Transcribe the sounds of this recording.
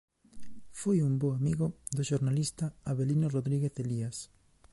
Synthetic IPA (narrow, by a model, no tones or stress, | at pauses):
fojumboamiɣoðoʃoɾnalist̪aaβelinoroðɾiɣeθelias